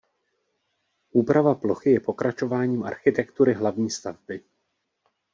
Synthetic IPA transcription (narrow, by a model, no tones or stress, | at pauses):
ʔuːpɾavaplo̞xɪjɛpo̞kɾat͡ʃo̞vaːɲiːmʔa̰ɾxɪt̪ɛkt̪uɾɪɦlavɲiːst̪avbɪ